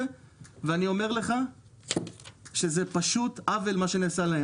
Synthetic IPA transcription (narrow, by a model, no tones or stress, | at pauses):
e | veanio̞me̞ʁle̞χa | ʃe̞zepaʃutavelmaʃe̞neːsalae